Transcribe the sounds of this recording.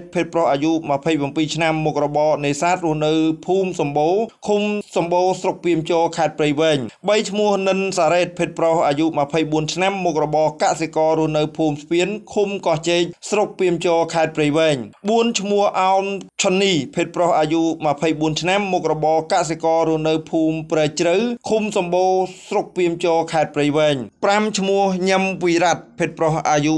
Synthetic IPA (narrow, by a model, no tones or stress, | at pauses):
t̪̚pʰeːt̪̚prohʔaːjuʔməpʰəjprampiːt͡ɕʰnamːuk̚rɔɓɑːneːsaːt̪̚rŭəhnɨwpʰuːmsɑmɓoːkʰumsɑmɓoːsrok̚piəmt͡ɕoːkʰaɛt̪̚prɨjʋɛːɲɓəjt͡ɕʰmʊ̆əhnɨnsaːɾeːt̪̚pʰeːt̪̚prohʔaːjuʔməpʰəjɓuənt͡ɕʰnamːuk̚rɔɓɑːkasekɑːɾuəhnɨwpʰuːmsʰpiənkʰumkɑht͡ɕeːc̚srok̚piəmt͡ɕoːkʰaɛt̪̚prɨjʋɛːɲɓuənt͡ɕʰmʊəhʔaɔnt͡ɕʰonːiːpʰeːt̪̚prohʔaːjuməpʰəjɓuənt͡ɕʰnamːuk̚rɔɓɑːkasekɑːɾuəhnɨwpʰuːmprɛːt͡ɕrɨwkʰumsɑmɓoːsrok̚piəmt͡ɕoːkʰaɛt̪̚prəjʋɛːɲpramt͡ɕʰmuəhɲəmʋiːɾat̪̚pʰeːt̪̚prohʔaːju